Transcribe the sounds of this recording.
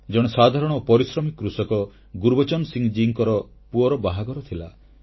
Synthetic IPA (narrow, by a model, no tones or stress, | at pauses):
d͡ʒɔɽ̃esad̪ʱaɾɔɽ̃ɔpɔɾisɾɔmikːɾusɔkɔ | ɡuɾbɔt͡ʃɔnsiŋd͡ʒiŋkɔɾɔ | puɔɾɔbaɦaɡɔɾɔt̪ʰila